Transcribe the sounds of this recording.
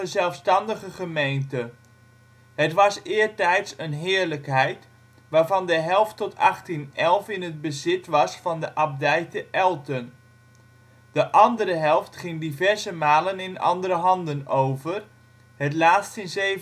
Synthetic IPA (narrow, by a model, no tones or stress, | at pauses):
əzɛlˠfstɑndəχəχəmejntə | ɦətʋɑsɪːɹtɛjtsənɦɪːɹləkɦɛjt | ʋaːɹvɑndəɦɛlˠftɔtʰɑ̰χtinɛlˠfɪnɦəd̚bəzɪtʋɑsfɑndəʔɑb̚dɛjtəʔɛlˠtən | d̥əʔɑndəɾəɦɛlˠftχɪŋdivɛɹzəmaːlənɪnɑ̰ndəɾəɦɑndənowvər | ɦətlaːtstɪnzej